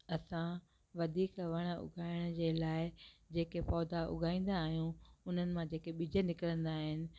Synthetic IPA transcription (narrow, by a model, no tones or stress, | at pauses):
ɐsã | ʋɐd̪ʱiːkʋɐɽ̃əʊ̰ɡʱaːɪɽ̃d͡ʑeːlaːɪd͡ʑeːkepɔːd̪aʔʊ̰ɡʱaːĩːn̆d̪aːɦijũʊn̤ənɪ̆mãd͡ʑeːkeɓɪd͡ʑʱənɪkɪɾə̃nd̪aːɦɪnɪ̆